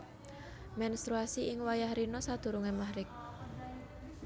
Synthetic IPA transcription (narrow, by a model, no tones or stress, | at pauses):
mɛnst̪ɾuasiɪŋwajahɾinɔsad̪̥ṳɾuŋɛmahɾɪk̚